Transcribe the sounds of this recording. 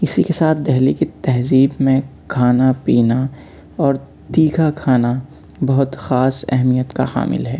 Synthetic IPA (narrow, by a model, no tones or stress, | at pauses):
ɪsikesaːt̪ʰd̪ɛɦlikit̪ɛɦziːbmẽkʰaːnapiːna | ɔːɾ | t̪iːkʰakʰaːna | bɐɦʊt̪xaːsɛ̰ɦmijət̪ka̰xa̰ːmɪ̰lɦɛː